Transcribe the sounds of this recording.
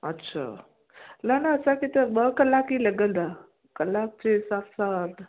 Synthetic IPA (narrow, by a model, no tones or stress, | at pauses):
ətːɕʰa̰ | lənaːsakit̪əbəkəlːakiləɡəld̪a | kəlːak̚t͡ɕesafsat̪